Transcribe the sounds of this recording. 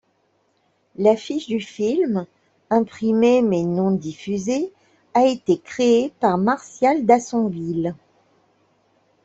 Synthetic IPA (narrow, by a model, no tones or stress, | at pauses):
lafiʃd̪yfilm | ɛ̃pχimemɛnɔ̃d̪ifyze | aet̪ekχeepaʁmaʁsjald̪asɔ̃vil